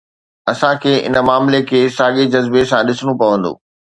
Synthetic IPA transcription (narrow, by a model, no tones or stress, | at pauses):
ɐsãkʰeːʔɪ̰nə̆maːmlekʰeːsaːɠed͡ʑɐzbesãɗɪsɽ̃õpɐʋə̃nd̪o̰ː